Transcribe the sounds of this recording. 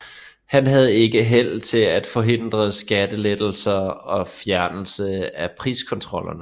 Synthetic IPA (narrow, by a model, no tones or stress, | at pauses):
hænɦæð̞ˠe̝ɡ̥əɦel̰t͡sʰe̝læd̥fɒ̽ɦe̝n̰d̥ʁɐsɡ̥æd̥əled̥l̩sɐɒ̽fjæɐnl̩səæpʰʁḭːskʰɒ̽nt͡sʰʁɒ̽l̰ɐnə